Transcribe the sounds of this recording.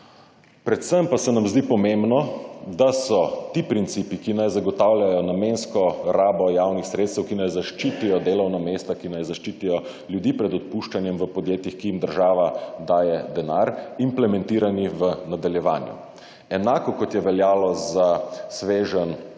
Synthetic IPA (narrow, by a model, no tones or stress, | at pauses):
pɾɛt̪səmpasɛnamzd̪ipɔmembnɔd̪asɔt̪ipɾint̪siːpikinajzaɡɔt̪awljajɔnamenskɔɾaːbɔjawnixsɾeːt̪st̪əwkinajzaʃt͡ʃit̪ijɔd̪eːlɔwnameːst̪akinajzaʃt͡ʃit̪ijɔ | ljud̪ipɾɛd̪ɔt̪̚puʃt͡ʃanjɛmʋəpɔd̪jeːt̪jixkijimd̪əɾʒaːʋad̪aːjɛd̪ɛnaɾimplɛmɛ̃nt̪iːɾaniʋənad̪aljɛʋa̰ːnjṵ | ɛnaːkɔkɔt̪jɛʋɛljaːlɔzasʋeːʒən